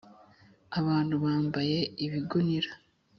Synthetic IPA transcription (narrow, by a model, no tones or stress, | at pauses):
aβaːn̥huβaːmbaje̞iβiɡuniɾa